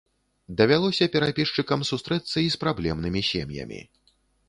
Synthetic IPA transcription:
d̪ɐvʲalˠɔsʲɐpʲɛɾapʲiʂt͡ʂɨkɐmsust̪ɾɛt̪sːɐispɾablʲɛmnɨmʲisʲḛmjɐ̰mʲḭ

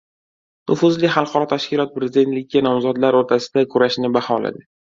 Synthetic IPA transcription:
nʊfʊzlɪχɑlˠqɒɾɒt̪ʰaʃkʲɪlɒt̪̚pɾezɪd̪e̞nt̪lɪkʲːanɒmzɒd̪laɾoɾt̪ʰasɪ̥d̪akʰʊɾaʃnɪbahɒla̰d̪ɪ

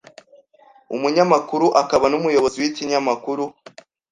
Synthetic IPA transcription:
umuɲamakuɾuʔakaβanumujo̞βo̞ziwiciɲamakuɾu

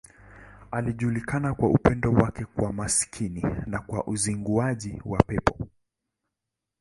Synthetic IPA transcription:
aliʄulikanakwaupɛndɔwakɛkwamaskʰininakwa̰ʔuziŋɡuaʄiwapɛpɔ̥

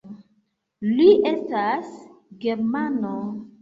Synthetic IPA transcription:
liʔe̞stasɡe̞ɾmano

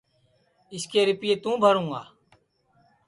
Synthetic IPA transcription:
ɪskeːɾɪpɪjeːt̪ũːbʱəɾũːɡa̰ː

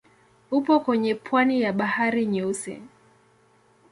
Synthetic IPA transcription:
upɔkwɛɲɛpʰwanijaɓahaɾiɲɔsɛ̰

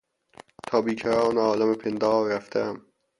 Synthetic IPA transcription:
t̪ʰɒːbiːkʰæɾɑːneɒːlæmepʰend̪ɒːɾæft̪ʰææm

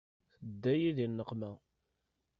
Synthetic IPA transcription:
θəd̪ːæjiðinːəqːmæ

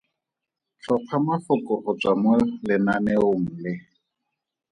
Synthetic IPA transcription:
t͡ɬʰɔq͡χʰamafʊkʼɔχʊt͡samwɛlɪnanɛʊŋ̩lɪ

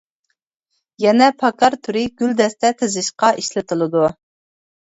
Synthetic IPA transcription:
jɛnɛpʰɑkɑɾt̪ʰuɾɪɡ̥ʲyld̪ɛst̪ɛt̪ʰɪzɪʃqɑʔiʃlɪt̪ʰɨlˠɨd̪u

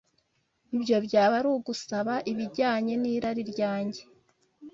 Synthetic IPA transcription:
ibɟo̞bɟaːβaɾuɡusaβaʔiβiɟaːɲe̞niːɾaɾiɾɟaːɲɟe̞

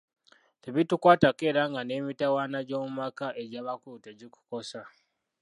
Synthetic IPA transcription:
teβitukwaːtake̞ːɾaŋɡane̞ːmitawaːnaɟo̞ːmumakaʔeɟaːβakuteɟiku̥ko̞sa

